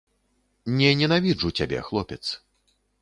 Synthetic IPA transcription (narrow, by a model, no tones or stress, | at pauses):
nʲɛnʲɛnavʲiʐut͡sʲabʲɛ̰xlˠɔpʲɛt̪s